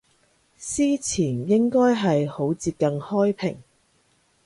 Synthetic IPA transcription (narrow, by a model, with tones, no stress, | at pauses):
siː˥t͡sʰiː˨˩njɪ˥ŋkɔː˥jɦɐ˨jho˨˥wt͡siː˧p̚kɐ˧nhɔː˥jpʰɪ̰˨˩ŋ